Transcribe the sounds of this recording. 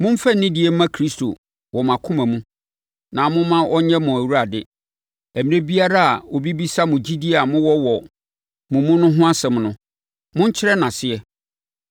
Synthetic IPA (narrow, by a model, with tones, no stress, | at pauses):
mʊ̃˦m̩˦fɛ˦n̩nɪ̃˦dɪ˨˦ɛ˦m˦mã˦kʰɾi˦stʰo̰˨ | wɔ˨m˨ã˨kʰʊ̃˦mã˨mũ˦ | nã˨mʊ̃˦mã˦ʔɔ˦ɲɛ̃˦mʊ̃˨æ˨wu˦ɾa˨dɪ˦ | æ˨mɪ̃˨˦ɾẽ˦bi˦a˦ɾa˦a̰˨o˨bi˦bi˦sa˦mʊ̃˨d͡ʑi˦di˦˨a˨mʊ̃˦wɔ˦wɔ˨ | mʊ̃˨mũ˦nʊ̃˦ɦʊ̃˦a˦sɛ̃˨mnʊ̃˦ | mʊ̃˦ɲ̩˦t͡ɕʰɪ˦ɾɛ˦nã˨sɪ˦ɛ˦